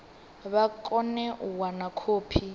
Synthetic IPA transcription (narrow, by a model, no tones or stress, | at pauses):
βakʼɔnɛʔuwanakʰoːpʰi